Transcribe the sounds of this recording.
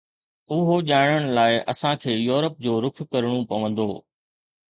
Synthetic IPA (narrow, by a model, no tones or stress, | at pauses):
ʊɦoʄaːɪɽ̃əɽ̃ʊlaːɪʔɐsãkʰeːjoːɾəp̚d͡ʑoːɾʊkʰkɐɾɽ̃õpɐʋə̃nd̪oː